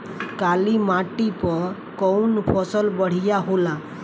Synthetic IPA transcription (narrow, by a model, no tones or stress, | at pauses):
kalimaʈipə | kəwnfʰɔsəlbəɽ̤ijaɦola